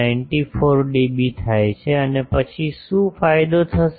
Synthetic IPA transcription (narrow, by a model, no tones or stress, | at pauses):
aɪɳʈifoɾɖebit̪ʰajt͡ʃʰeənepət͡ʃʰiʃũfajd̪ot̪ʰəʃ